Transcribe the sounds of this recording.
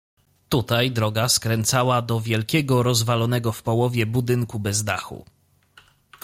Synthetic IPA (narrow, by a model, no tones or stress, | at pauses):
t̪ut̪ajd̪ɾɔɡaskɾɛnt̪sawad̪ɔvʲjɛlkʲɛɡɔɾɔzvalɔnɛɡɔfpɔwɔvʲjɛbud̪ɘŋkubɛzd̪a̰xṵ